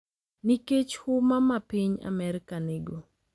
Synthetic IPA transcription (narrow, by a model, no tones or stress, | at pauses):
niket͡ʃhʊmamapiɲa̰mɛɾkaneɡo